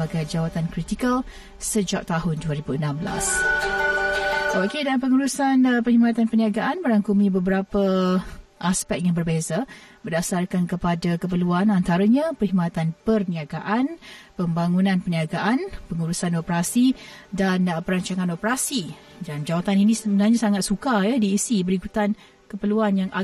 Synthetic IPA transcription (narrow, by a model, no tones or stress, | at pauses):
aɡajd͡ʒawat̪ankɾit̪ikəl | səd͡ʒak̚t̪aɦʊnduəɾibuənãmbəla̰s | ookedalpəŋuɾusanpərhimãt̪anpəniaɡaʔanməɾaŋkumĩbəbəɾapə | ʔaspɛk̚ijaŋbərbezabərdasarkankəpadakəp̬əluanant̪aɾəɲãpərhimãt̪anpərniaɡaʔanpəmbaŋunãnpəniaɡaʔanpəŋuɾusanopəɾasidanpəɾaɲt͡ʃaŋanopəɾasi | dand͡ʒawat̪aninĩsəmənaɲasaŋat̪̚sukajadiːsibəɾikut̪an | kəpəluanjaŋʔa